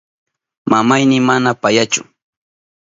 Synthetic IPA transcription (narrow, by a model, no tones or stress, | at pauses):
mamajnɪmanapajat͡ʃʊ̰